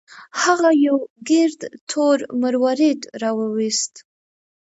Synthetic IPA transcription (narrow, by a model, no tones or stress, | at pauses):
haɣajawɡɪɾd̪t̪ʰoɾməɾwɑɾed̪ɾɑwəwist̪